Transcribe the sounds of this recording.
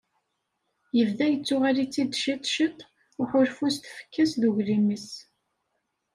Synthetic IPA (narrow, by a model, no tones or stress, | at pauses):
jəvðæjət͡sːʊʁalit͡sːid̪ʃid̪ʃət̪ˤː | ʊħʊɾfust̪fə̥kːəsðuʝɾiməs